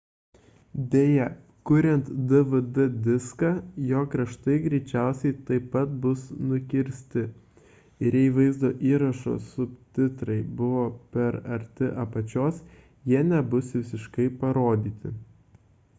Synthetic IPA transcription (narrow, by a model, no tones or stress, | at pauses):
d̪ʲeːjɛ | kʊɾʲɛnt̪d̪ɨʋɨd̪ɨd̪ʲɪskɑːjoːkɾɐʃt̪ɐɪɡɾʲɛɪt͡ʃʲæˑʊsʲɛɪt̪ɐɪpːɐt̪̚bʊsnʊkʲɪɾʲsʲt̪ʲɪ | ɪɾjɛʋɐɪzd̪oːʔiːɾɐʃo̰sʊpʲt̪ʲɪt̪ɾɐɪbʊʋoːpʲɛɾɐɾʲt̪ʲɪʔɐpɐt͡ʃʲoːs | jiɛnʲɛbʊsʋʲɪsʲɪʃkɐɪpɐɾoːd̪ʲiːt̪ʲɪ̰